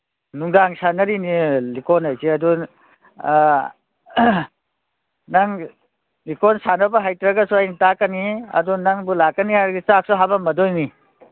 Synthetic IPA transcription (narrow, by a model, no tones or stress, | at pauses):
nuŋdaŋsanɐɾinilikɔnajsiɐdu | nɐŋ | likɔnsanɐbɐɦajtɾɐɡɐsuajnitakːɐniɐ̰dunɐŋbulakːɐnihajɾɡit͡ʃak̚suɦabɐmɐdɔjni